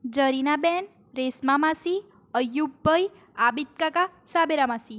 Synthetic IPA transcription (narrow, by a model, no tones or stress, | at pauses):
d͡ʒəɾinaben | ɾesmamasi | əjubʱːəj | abit̪̚kakasabeɾamasi